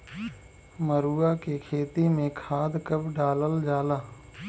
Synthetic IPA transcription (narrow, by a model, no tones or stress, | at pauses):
məɾuːakekʰeːt̪imẽkʰaːd̪kəbɖaːləld͡ʒaːlaː